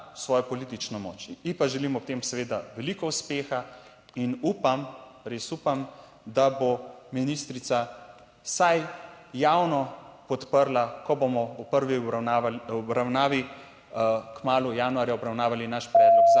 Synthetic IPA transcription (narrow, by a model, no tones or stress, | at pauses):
sʋɔːjɔpɔlit̪it͡ʃnɔmɔ̰ːt͡ʃipaʒɛliːmɔpt̪eːmsɛʋeːd̪aʋɛlikɔuspeːxa | inuːpamɾeːsupam | d̪abominist̪ɾit̪sa | sajː | awnɔpɔt̪pəɾlakɔbomɔupəɾʋi | ɔbɾawnaːʋi | kmaːlujaːnuaːɾjaɔbɾawnaːʋalinaʃpɾɛːd̪lɔkza